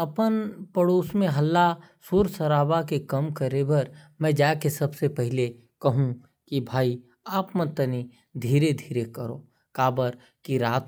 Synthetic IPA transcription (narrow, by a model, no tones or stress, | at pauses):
ɐpənpəɽoːsmẽɦɐlːa | suɾsɐɾaːbakekɐmkəɾebɐɾmɛ̃d͡ʒaːkesɐbsepɛɦɪle | kɐɦũ | kibʱaːi | aːpmə̃t̪əni | d̪ʱiːɾed̪ʱiːɾekəɾo̰ː | kaːbəɾ | kiɾaːt̪